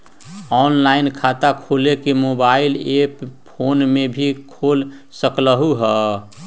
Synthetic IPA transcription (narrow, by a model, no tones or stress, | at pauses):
ɔnlainkʰat̪akʰolekemobaileppʰonmebʱikʰol | səkləɦuɦə